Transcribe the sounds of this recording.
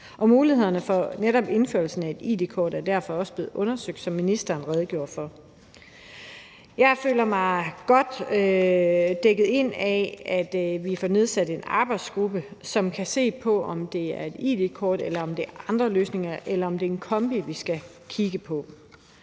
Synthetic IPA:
ʔɒ̽muːlihe̝ð̰ˠɐnəfɒneɾɒ̽b̥e̝nføɐl̩sn̩æe̝d̥ḭːd̥e̝kʰɒːdæɐd̥æɐfɒ̽ɒ̽sb̥e̝ð̩ˠʔɔ̽nɐsøɡ̥̚d̥sɒ̽mːinisd̥ɐːn̩ʁɛð̞ˠɡ̥jo̝ɐ̰̥fɒ̽ | jɑ̈ɪfø̰ːlɐmɑ̈ɪɡ̥ɒ̽d̥ø | d̥eɡ̥əð̞̩ˠe̝n̰ɛæd̥ʋifɒne̝ð̞ˠsæd̥e̝nɑ̈ːb̥ɑ̈ɪd̥sɡ̥ʁub̥əsɒ̽mkʰæse̝̰ːpʰɒ̽ɒmd̥e̝æɐe̝d̥ḭːd̥e̝kʰɒːd̥elɐɒ̽md̥eʔɑ̈nd̥ʁɐløːsne̝ŋɐʔelɐɒ̽md̥e̝enkʰɒ̽mb̥iʋisɡ̥æ | kʰiɡ̥əpʰɒ̽

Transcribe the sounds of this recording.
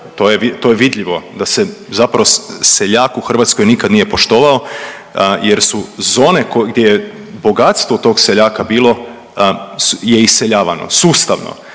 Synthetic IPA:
t̪o̞ːjeʋit̪o̞jeʋid̪ʎiʋo̞d̪ase̞zapɾaʋo̞seʎaːkuxr̩ʋat̪sko̞jnikad̪nije̞po̞ʃt̪o̞ːʋao | jeɾsuzo̞ːne̞koɡd̪jeje | bo̞ɡat̪st̪ʋot̪o̞ːɡse̞ʎaːkabiːlˠo̞ | jeiseʎaːʋa̰no̰suːst̪aʋno̰

